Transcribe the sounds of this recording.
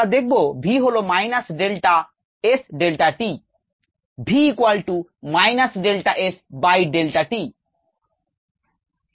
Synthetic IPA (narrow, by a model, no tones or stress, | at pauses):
ad̪ek̚bobʱiɦolomajnasɖelʈa | esɖelʈaʈi | bʱiːkwalʈumajnasɖelʈaʔesbajɖelʈaʈi